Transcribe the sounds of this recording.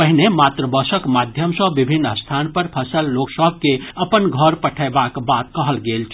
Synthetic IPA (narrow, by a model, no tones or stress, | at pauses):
pəɦinemaːt̪ɾəbəsəkmad̪ʱjəmsə̃bibʱinːəst̪ʰanpəɾpʰəsəlːoksəb̚ʱkeəpənɡʱəɾpəʈʰəɪbakbat̪̚kəɦəlɡeːlt͡ʃʰ